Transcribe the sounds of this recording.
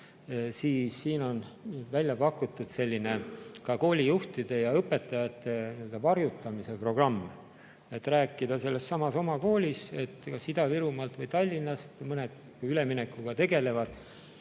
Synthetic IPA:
siːsːiːno̞nvælʲjɑpɑkːˑut̪ːˑud̪̥se̞lʲːine̞kɑko̞ːlʲijuht̪id̪̥e̞jɑɤpːˑe̞t̪ːˑɑjɑt̪ːˑe̞niø̞ld̪ɑvɑrjut̪ːˑɑmise̞pro̞ɡ̥rɑmː | e̞t̪ːræːkːˑid̪̥ɑse̞lːe̞sːɑmɑso̞mɑko̞ːlʲise̞t̪ːkɑsːid̪ɑviɾumɑlt̪vɤjt̪ɑlʲːinːɑst̪mɤne̞d̪̥ | uyle̞mine̞kːˑuɡ̥ɑt̪e̞ɡ̥e̞le̞vɑd̪̥

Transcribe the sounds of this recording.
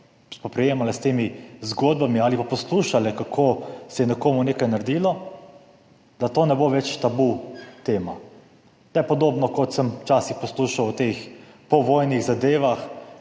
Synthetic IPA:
spɔpɾɛjeːmalɛst̪eːmizɡoːd̪̚bamiaːlipapɔsluːʃalɛkakʰoːsɛjɛnɛkoːmuneːkajnaɾd̪iːlɔ | d̪at̪oːnɛboʋɛt͡ʃt̪abut̪eːma | d̪ajɛpɔd̪oːbnɔkɔt̪səmt͡ʃaːsixpɔsluʃawt̪ex | pɔʋɔːjniɣzad̪eːʋax

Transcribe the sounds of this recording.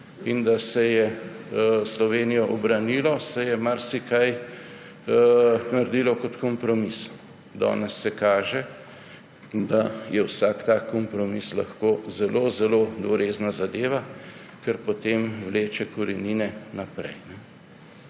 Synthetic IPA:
ind̪asɛjɛ | slɔʋeːnijɔʔɔbɾanilɔsɛjɛmaɾsikaj | naɾd̪ilɔkɔt̪kɔmpɾɔmis | d̪ɔ̰ːnɛsːɛkaːʒɛ | d̪ajɛwsaːkt̪aːkɔmpɾɔmisla̰xkozɛloːzɛloːd̪ʋɔɾeːznazad̪eːʋa | kɛɾpɔt̪eːmwleːt͡ʃɛkɔɾɛniːnɛnapɾɛ̰jnɛ

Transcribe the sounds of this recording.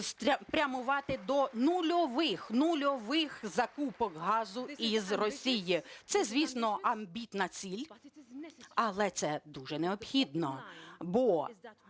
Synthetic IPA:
spɾʲɐmʊʋɑt̪ɪd̪ɔnulʲɔʋɪxnulʲɔʋɪxzɐkupɔkɦɑzʊizrɔsʲijɪt̪sɛzʲʋʲisnɔʔɐmbʲit̪nɐt͡sʲilʲ | ɐlˠɛt̪sɛd̪uʒɛneɔbxʲid̪nɔbɔ

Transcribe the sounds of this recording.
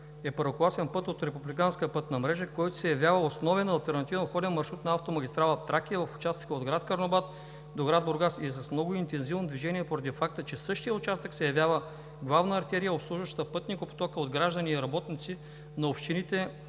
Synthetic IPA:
ɛpəɾoklˠasɛnpɤt̪ot̪ɾɛpublikanskpɤt̪nɐmɾɛʒəkɔjt̪ʊ̥sɛjɐvjavəosnɔvɛnɐlˠt̪ɛɾnɐt̪ivnoxɔd̪ɛnmɐɾʃɾut̪nɐaft̪omɐɡʲist̪ɾalˠɐft̪ɾakʲiəvɐfʊ̥t͡ʃast̪ə̥kəod̪ɡɾat̪kɐɾnobat̪ | d̪oɡɾad̪̚boɾɡasiɛsɐsmnɔɡʊint̪ɛnzivnod̪viʒɛniɛpoɾɐd̪ifak̚t̪ət͡ʃɛsɤʃt̪ijəʊt͡ʃast̪əksɛjɐvʲjavə | ɡlˠavnəːɾt̪ɛɾijəopslˠuʒvəʃt̪ə̥t̪əpɤt̪nʲikopo̥t̪ɔkəod̪ɡɾaʒd̪əniːɾɐbɔt̪nit̪si | nɐopʃt̪init̪ɛ

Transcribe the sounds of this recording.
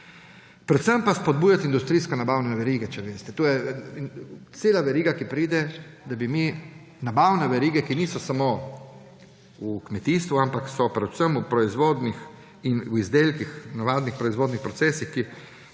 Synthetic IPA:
pɾɛt̪səmpaspɔd̪̚bujat̪ind̪ust̪ɾiːskɛnabawnɛʋɛɾiːɡɛt͡ʃɛʋest̪ɛt̪oːjɛ | t̪seːlaʋɛɾiːɡakipɾiːd̪ɛd̪abimi | nabawnɛʋɛɾiːɡɛkiniːsɔsamo | ukmɛt̪iːst̪ʋuampaksɔpɾɛ̥səmupɾɔizʋoːd̪nix | inuizd̪eːlkixnaʋaːd̪nixpɾɔizʋoːd̪nixpɾɔtsɛːsixki

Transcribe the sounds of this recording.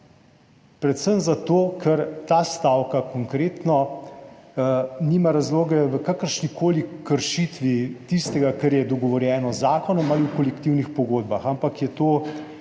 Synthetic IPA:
pɾɛt̪səmzat̪oːkʰəɾt̪aːst̪aːwkakɔŋkɾeːt̪nɔ | niːmaɾazloːɡɛʋəkakəɾʃnikoːlikəɾʃit̪ʋit̪ist̪ɛɡakəɾjɛd̪ɔɡɔʋɔɾjɛːnɔzaːkɔnɔmaliwkɔlɛkt̪iwnixpɔɡoːd̪̚baxampakjɛt̪oː

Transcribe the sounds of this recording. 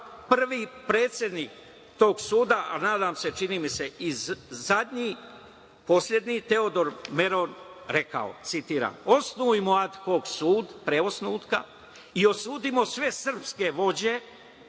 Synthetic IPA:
pr̩ʋipɾeːt̪sʲje̞d̪niːk | t̪o̞ːɡsuːd̪aa̰naːd̪aːmse̞t͡ʃiniːmise̞izad̪ɲi | po̞slʲje̞d̪nit̪e̞o̞d̪o̞ɾme̞ɾonɾe̞ka̰o̰t̪sit̪iːɾa̰ːmo̞snuimoad̪ko̞ːɡsuːd̪pɾeosnuːt̪ka | io̞suːd̪imo̞sʋe̞sr̩pske̞ʋo̞d͡ʑe̞

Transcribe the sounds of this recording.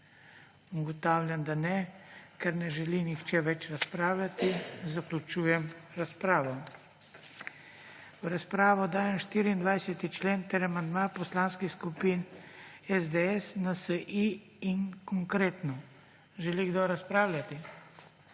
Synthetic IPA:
uɡɔt̪aːwlʲjamd̪anɛkɛɾnɛʒɛlinixt͡ʃɛʋɛt͡ʃɾaspɾaːwlʲat̪izaklʲut͡ʃuːjɛm | ɾaspɾaːʋɔ | ɾaspɾaːʋɔd̪aːjɛmʃt̪iːɾiːnd̪ʋajsɛt̪it͡ʃleːnt̪ɛɾamand̪mapɔslanskixskupinɛzd̪eɛsnasəʔi | iŋkɔŋkɾeːt̪nɔ | ʒɛliɡd̪oɾaspɾaːwlʲat̪i

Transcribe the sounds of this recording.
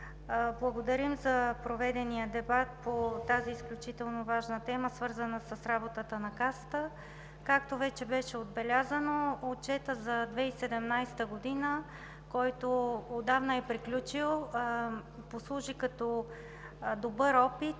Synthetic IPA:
blˠɐɡod̪ɐɾimzɐpɾovɛd̪ɛnijəd̪ɛbat̪̚pot̪aziːsklʲut͡ʃit̪ɛlˠnovaʒnət̪ɛməsvɤɾzənəsəsɾabot̪ət̪ənɐkasə̥t̪ə | kak̚t̪ovɛt͡ʃɛbɛʃɛod̪bɛlʲazənoot͡ʃɛt̪əzɐd̪vɛisɛd̪ɛmnajst̪əɡod̪inə | kɔjt̪ood̪avnɐɛpɾiklʲut͡ʃilˠ | poslˠuʒikɐt̪ɔ | d̪obɤɾɔpit̪

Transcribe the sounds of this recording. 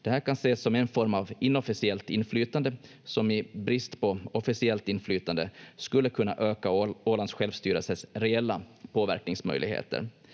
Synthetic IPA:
d̪̥ɛhæːɾkʰanseːsːɔmɛnfɔɾmavɪnːɔfɪsɪɛlt̪ɪnːflyːt̪and̪ə | sɔmɪbɾɪst̪pɔɔfɪsɪɛlt̪ɪnːflyːt̪and̪əskɵlːəkʰɵnːa̰ʔøːkaoːland̪sɧɛlvst̪yːɾə̰lsəsɾɛɛlːapʰoːvæ̰ɾknɪŋsmœ̰jlɪ̰ɡhḛːt̪ʰə̰ɾ

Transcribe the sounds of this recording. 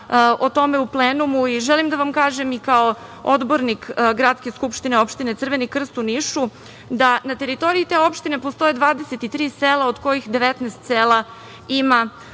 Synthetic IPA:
ʔot̪o̞me̞upleːnumuiʒɛlimd̪aʋamkaːʒemikao | od̪bo̞ɾnikɡɾat̪ske̞skupʃt̪ineo̞pʃt̪ine̞t̪r̩ʋenikr̩st̪uniʃu | d̪anat̪e̞ɾit̪o̞ɾiit̪e̞o̞pʃt̪ine̞post̪o̞je̞d̪ʋaːd̪eset̪it̪ɾiːseːlˠaod̪ko̞jixd̪eʋet̪nast̪seːla | ima

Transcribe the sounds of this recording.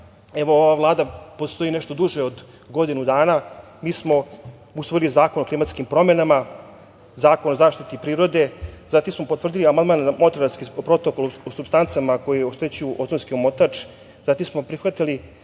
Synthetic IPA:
eʋo̞oʋavlˠaːd̪apost̪o̞inɛʃt̪o̞d̪uʒeod̪ | ɡo̞d̪inud̪aːna | miːsmo̞ | usʋoilizaːko̞no̞klimat̪skimpɾo̞menama | zaːko̞nozaːʃt̪it̪ipɾiːɾo̞d̪e̞zat̪imsmo̞pot̪ʋr̩d̪iliamand̪manmo̞t̪ɾaɾaskipɾo̞t̪okolosubst̪ant̪samako̞jejoʃt̪et͡ɕujuʔot̪sonskiomo̞t̪at͡ʂ | zat̪imsmo̞pɾixʋat̪ili

